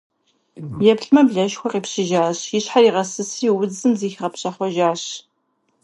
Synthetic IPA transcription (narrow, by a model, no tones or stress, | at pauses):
jɛpɬmɐbɮɐʃxʷɔqiːpɕɪʒaːɕjɪɕħariːʁɐsɨsiːwʊd͡zɨmziːxʁɐpɕɐχʷɔʒaːɕ